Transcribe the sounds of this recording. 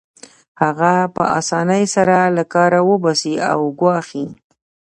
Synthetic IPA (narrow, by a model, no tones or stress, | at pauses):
haɣapə̰ʔɑ̰sɑnəjsaɾalakɑɾawəbasia̰wɡwɑxi